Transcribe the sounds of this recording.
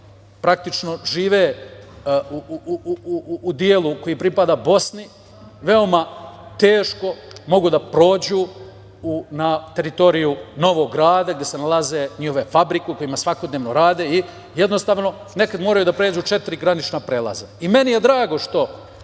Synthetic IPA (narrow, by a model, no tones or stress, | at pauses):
pɾak̚t̪it͡ʃno̞ʒiːʋeː | u | d̪ielˠuko̞jipɾipad̪abo̞sni | ʋe̞o̞mat̪eːʃko̞mo̞ɡud̪apɾo̞ːd͡ʑu | unat̪e̞ɾit̪o̞ɾijuno̞ʋo̞ɡːɾaːd̪aɡd̪jesenalaze̞ːɲiho̞ʋe̞fabɾikeko̞jimasʋako̞d̪neːʋnoɾaːd̪e̞i | jed̪no̞st̪aːʋno̞ | ne̞kad̪moɾajud̪apɾeːd͡ʑut͡ʃe̞t̪iɾiɡɾanit͡ʃnapɾeːlˠa̰zeime̞nije̞d̪ɾaːɡo̞ʃt̪o̞